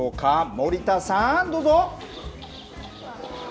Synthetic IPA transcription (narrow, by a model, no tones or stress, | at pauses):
okʰamoɾʲit̪asãnd̪oːzo